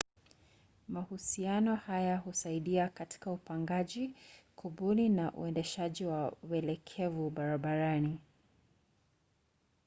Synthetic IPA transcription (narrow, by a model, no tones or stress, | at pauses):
mahusianɔhajahusaiɗiakati̥kaupaŋɡaʄikuɓulinaʔṵɛndɛʃaʄiwawɛlɛkʰɛvuɓaɾaɓaɾani